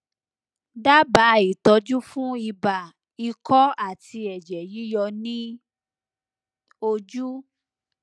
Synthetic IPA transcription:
da˦ba˨˦i˨tɔ˧d͡ʒu˦fũ˦i˧ba˨ | i˧kɔ˦a˦˨ti˧ɛ˨d͡ʒɛ˨ji˦jɔ˧nĩ˦ | o˧d͡ʒu˦

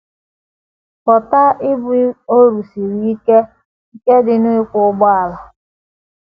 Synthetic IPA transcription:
pɔ˨ta˦ɪ˦bʊ˦o˦ɾu˨si˨ɾi˦i˦ke˦ | i˦ke˦dɪ˨nʊ˦ɪ˦kʷʊ˦ɡ͡bɔ˦a˨la˨

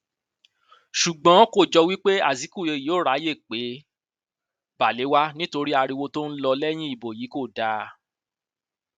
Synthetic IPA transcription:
ʃu˨ɡ͡bɔ̃˨˦ko˦˨d͡ʒɔ˧wi˦k͡pe˦a̰˦˨zi˨˦ku˦˨je˧˨ji˨˦o˦˨ɾa˨˦je˦˨k͡pe˨˦ | ba˨le˨˦wa˦nĩ˦to˧ɾi˦a˧ɾi˧wo˧to˦n̩˦lɔ˧lɛ˦j̃ĩ˦i˦˨bo˨ji˨˦ko˦˨da˨˦

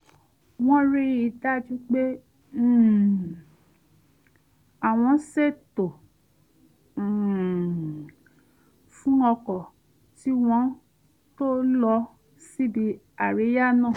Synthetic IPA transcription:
w̃ɔ̃˦ɾi˧˦i˧da˦d͡ʒu˦k͡pẽ˦˨ | a˨w̃ɔ̃˧˦se˦˨to˨ | fũ˦ɔ˧kɔ˨ | ti˦w̃ɔ̃˧˦ | to˦lɔ˧ | si˦bi˧ | a˦˨ɾe˨˦ja˦nãː˦˨

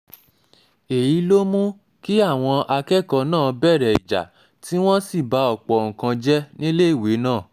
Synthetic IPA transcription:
e˨ji˨˦lo˦mũ˦ | ki˦a˦˨w̃ɔ̃˧ʔa˧kɛ˦˨kɔ˧nãː˦˨bɛ˦˨ɾɛ˨ḭ˨d͡ʒa̰˨ | ti˦w̃ɔ̃˦si˦˨ba˨˧ɔ˨k͡pɔ˨ŋ̩̃˨kã˧d͡ʒɛ˦nĩ˦le˦i˦˨we˨˦nãː˦˨

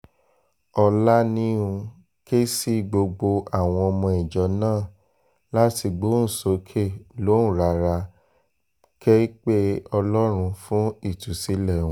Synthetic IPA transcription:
ɔ˧la˦nĩ˦ũ˧ | ke˦si˦ɡ͡bo˧ɡ͡bo˧a˦˨w̃ɔ̃˧ɔ˧mɔ̃˧i˨d͡ʒɔ˨˦nãː˦˨ | la˦ti˧ɡ͡bo˦n̩˨so˨˦kʰe˦˨lõ˨˦˨ɾa˨˧ɾa˧ | kɛ˦i˦k͡pe˦ɔ˧lɔ˦ɾ̃ũ˧fũ˦i˦˨tu˨si˨˦lɛ̃˦˨˦

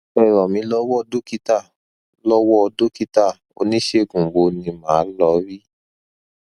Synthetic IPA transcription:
ɛ˨ɾɔ˨mĩ˧˦lɔ˦wɔ˦˧do˦ki˦ta˦˨ | lɔ˦wɔ˦ɔ˧do˦ki˦ta˦˨ | o̰˧nĩ˦ʃe˦˨ɡũ˨bo˨˧nĩ˧mãː˨˦lɔ˧˦ɾi˦

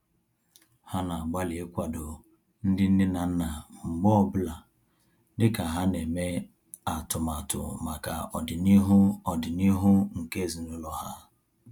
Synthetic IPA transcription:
ha˦na˨ɡ͡ba˦li˨e˦kʷa˨dʊ˨ | n̩˦dɪ˦n̩˦dɪ˦na˨n̩˦na˨ŋ͡m̩˨ɡ͡bɔ˦bʊ˦la˨ | dɪ˦ka˨ɦa˦ne˨me˦ | a˨tʊ˨ma˨tʊ̰˨ma˨ka̰˨ɔ˨dɪ˨ni˦ɦʊ˦ɔ˨dɪ˨ni˦ɦʊ˦ŋ̩˨ke˦˨zi˨nʊ˦lɔ˨ha˦

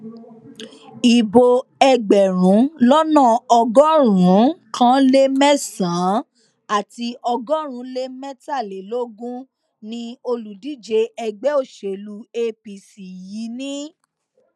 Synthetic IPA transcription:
i˨bo˧ɛ˧ɡ͡bɛ˨ɾũ˨˦lɔ˦nã˦˨ɔ˧ɡɔ˦ɾũ˨˦kʰã˦le˦mɛ̃˦sã˨˦ | a˦˨ti˧ʔɔ˧ɡɔ˦ɾ̃ũ˨˦le˦mɛ̃˦ta˦˨le˨lo˦ɡũ˦ | nĩ˧o˧lu˨di˨˦d͡ʒe˧ɛ˧ɡ͡bɛ˦o˦˨ʃe˨lu˧e˧pi˨si˨ji˨˦nĩ˦

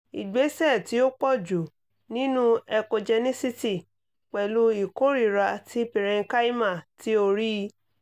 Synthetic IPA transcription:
i˨ɡ͡be˨˦sɛ˦˨ti˨˦o˦k͡pɔ˦˨d͡ʒu˨ | nĩ˦nũ˦ɛ˧ko˧d͡ʒɛ˧nĩ˦si˧ti˦˨ | k͡pɛ˨lu˧˦i˦˨ko˦ɾi˦˨ɾa˧tʰi˦pi˨ɾɛ̃˧ka˦i˦ma˦˨tʰi˨˦o˧ɾi˦˧˦

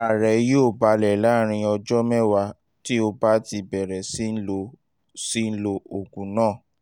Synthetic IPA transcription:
a˨ɾɛ˨joː˦˨ba˧lɛ˨la˨˦ɾ̃ĩ˧ɔ˧d͡ʒɔ˦mɛ˦wa˧ | ti˦o˧ba˦ti˧bɛ˨ɾɛ˨si˦n̩˦lo˧ | si˦n̩˦lo˧o˨ɡũ˨nãː˦˨

